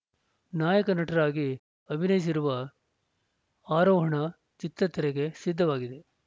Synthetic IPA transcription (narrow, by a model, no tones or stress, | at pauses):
naːjɐkɐnɐʈɐɾaːɡi | ɐbʱinɐjis̬iɾuʋɐ | aːɾɔːɦɐɳɐ | t͡ʃit̪ɾɐt̪ʰɐɾeɡe̞sid̪ʱːɐʋaːɡid̪e̞